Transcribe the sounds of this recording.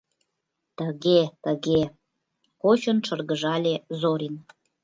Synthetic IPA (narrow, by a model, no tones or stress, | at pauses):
t̪əɣet̪əɣe | kot͡ɕonʃərɣəʒɑlʲezoɾin